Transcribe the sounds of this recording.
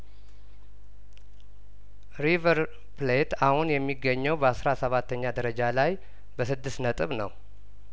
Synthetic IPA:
ɾivəɾ | plet̪ahunjɛmːiɡːəɲːɛwbəasɾasəβat̪ːəɲːad̪əɾəd͡ʒalaj | bəsɨd̪ːɨst̪nət̪ʼɨβnəw

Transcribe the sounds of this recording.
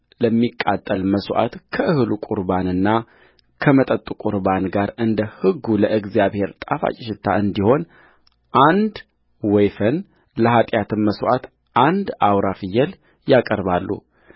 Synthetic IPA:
ləmːikʼat̪ʼːəlməswʔa̰t̪kʰəʔɨhɨlukʼuɾbanɨnːa | kʰəmət̪ʼət̪ʼukʼuɾbanɡaɾɨnd̪əhɨɡːuləʔɨɡzijaβhe̞ɾt̪ʼafa̰t͡ʃʼɪʃɪt̪ʰːa̰ɨnd̪iho̞n | ʔand̪ | wɔjfən | ləɦat̪ʼjat̪ɨnməswʔat̪ | ʔand̪awɾafɨjːɛl | jakʼəɾβalːṵ

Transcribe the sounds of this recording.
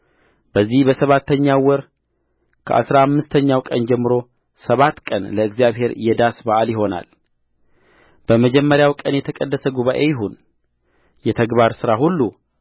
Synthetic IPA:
b̥əzːihbəsəβat̪ʰːəɲːawɔɾ | kʰə̰ʔa̰sɾaamːɨst̪ʰəɲːawkʼənd͡ʒɛmːɨɾo̞ | səβat̪ːkʼənləɨɡzijaβhe̞ɾjɛd̪asbaʔaljɪɦo̞na̰l | b̥əməd͡ʒɛmːəɾjawkʼənjɛt̪ʰəkʼəd̪ːəsəɡuβaʔe̞jɪɦun | jɛt̪ʰəɡbaɾsɨɾahulːu

